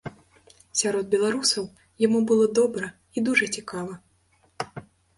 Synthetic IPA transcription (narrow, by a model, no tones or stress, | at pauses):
sʲaɾɔd̪̚bʲɛlˠaɾusɐw | jamubɨlˠɔd̪ɔbɾɐ | id̪uʐɐt͡sʲikavɐ